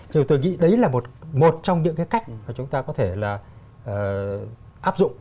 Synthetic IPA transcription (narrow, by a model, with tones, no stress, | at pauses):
t͡ɕi˧˩t̪o˧jŋḭ˧˥ɗə˨˦jlaː˨˩mo˨˩t̚mo˨˩t̚t͡ɕɔ˧wŋ͡mɲɨ̰˧˥ŋkaː˨˦jka˦˥jk̚maː˨˩t͡ɕʊ˨˦ŋ͡mt̪aː˧kɔ˨˦t̪ʰe˧˩laː˨˩ | ʔəː˨˩ | ʔaː˦˥p̚zʊ̰˧˨ŋ͡m